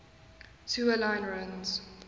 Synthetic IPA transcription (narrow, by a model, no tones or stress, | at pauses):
tʰuːəlãɪ̃nɹãnz̥